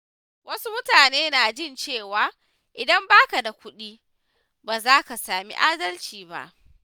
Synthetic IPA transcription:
wʔɐ˦su˦mʊ˦taː˨neː˦naː˨d͡ʒɪ˦˨nt͡ʃeː˦˨waː˨ | ʔɪ˨dɐ˦mbaː˦ka˨da˨kʷʊ˦ɗiː˦ | baː˨zaː˦ka˨saː˨mḭ˦ʔaː˦dɐ˦lt͡ʃiː˨ba̰˦ʔ

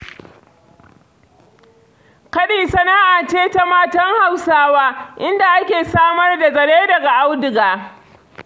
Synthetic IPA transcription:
kɐ˦ɗiː˨sɐ˦na˦ʔaː˨t͡ʃeː˦ta˦maː˦tɐ˦ŋha˨wsaː˦waː˦ʔɪ˦nda˨ʔa˦kʲeː˨saː˦mɐ˦rda˨zɐ˨ɽeː˦dɐ˨ɡa˨ʔa˦wdɪ˨ɡaː˨

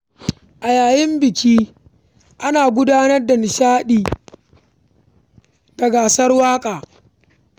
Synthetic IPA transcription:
ʔa˨jaː˨jɪ˦mbɪ˨kʲiː˦ | ʔa˦naː˨ɡʷʊ˦daː˦nɐ˦rdɐ˨n˨ʃaː˦ɗiː˨ | dɐ˨ɡaː˨sɐ˦rwaː˦kʼaː˨

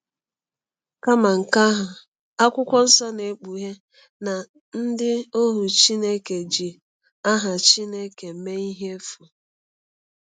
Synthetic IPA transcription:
ka˦ma˨ŋ̩˨ka˦ɦʊ˨ | a˦kʷʊ˦kʷɔ˦n̩˦sɔ˦ne˨˦k͡pu˨ɦe˦ | na˨ | n̩˦dɪ˦o˦ɦu˨t͡ʃi˦ne˦ke˨d͡ʒi˨ | a˦ɦa˨t͡ʃi˦ne˦ke˨me˦i˦ɦe˦fʊ˨

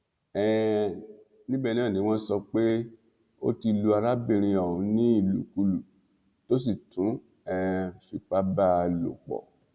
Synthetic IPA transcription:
ɛ˨ | nĩ˦bɛ˦˧ñ˦ã˦˨nĩ˨˦w̃ɔ̃˦sɔ˧k͡pe˦ | o̰˦ti˧lu˧a˧ɾa˦bĩ˦˨ɾ̃ĩ˧ɔ˨ũ˨˦nĩ˦i˦˨lṵ˨˦ku˧lu˨ | to˦s̬i˦˨tũ˨˦ | ɛ˧fi˨k͡pa˦ba˦˧˨lo̰˨k͡pɔ̰˨

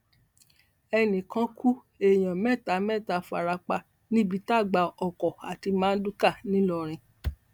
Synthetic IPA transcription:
ɛ˧nĩ˨kã˧˦kʰu˦ | e˨j̃ã˨mɛ˦˨ta˨˦mɛ˦˨ta˧˦fa̰˨ɾa˧k͡pa˧ | nĩ˦bi˦˧ta˦˨ɡ͡ba˧ɔ˨kɔ˨a˨ti˧mãː˦n̩˦du˦ka˦˨nĩ˦lɔ˧˨ɾ̃ĩ˧

